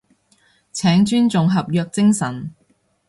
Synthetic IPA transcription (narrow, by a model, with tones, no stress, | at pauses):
t͡sʰɛː˨˥ŋt͡ʃyː˥nt͡sʊ˨ŋɦɐ˨p̚jœː˧k̚t͡sɪ˥ŋsɐ̰˨˩n